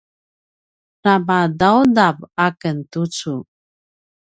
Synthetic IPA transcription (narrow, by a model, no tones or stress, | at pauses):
nabadawdabakəntut͡su